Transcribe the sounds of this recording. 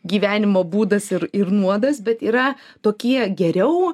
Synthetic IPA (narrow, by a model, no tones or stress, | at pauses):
ɡʲiːʋʲæːnʲɪmoːbuːd̪ɐsɪɾɪɾnuɔd̪ɐsbʲɛt̪iːɾɐ | t̪oːkʲiɛɡʲɛɾʲɛʊ